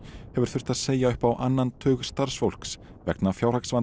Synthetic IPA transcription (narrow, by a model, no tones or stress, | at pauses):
hɛvʏɾ̥θʏr̥t̪aðseːjaʏhpawʔanːant̪ʰœːɣst̪aɾ̥sfowl̥ks | vɛ̰knafjawr̥aksvan